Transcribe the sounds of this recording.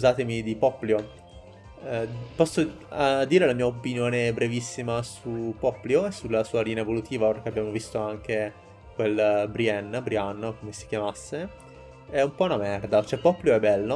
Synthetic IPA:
skuzaːt̪emid̪ipɔpːljo | pɔsːo | d̪iːɾelamiːaopinjoːnebɾevisːimasupɔpːljoesːulːasuːaliːneaevolut̪ʰiːvaɾkeabːjaːmovist̪oaŋk̟e | kwelbɾiɛnːbɾianːokomesi̥kjamasːe | ɛumpɔunamɛrd̪at͡ʃoɛpːɔpːljoɛbːɛlːo

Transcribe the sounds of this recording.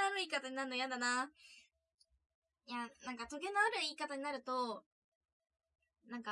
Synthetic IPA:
aɾɯ̟iːkat̪aɲinaɾɯnojãnd̪ana | janãŋkat̪o̞ɡe̞nːoaɾɯ̟iːkat̪aɲ̟inaɾɯ̟t̪o̞ | nãŋka

